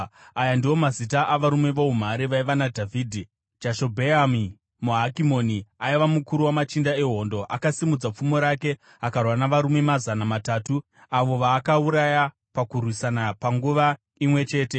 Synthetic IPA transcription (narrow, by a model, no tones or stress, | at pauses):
ajandiwo̞mazit̬aʔaʋaɾume̞ʋo̞um̤aɾiʋaiʋanadʱavʱiːdʱi | d͡ʒaʃo̞bʱeami | muɦakimo̞niaiʋamukuɾuwamat͡ʃindae̞ɦo̞ːndo̞ʔakasimud͡zap͡fumo̞ɾake̞ | akarwanaʋaɾume̞mazanamataːtu | aʋo̞ʋaːkauɾaja | pakurwisanapaŋɡuʋa | imwe̞t͡ʃe̞ːte̞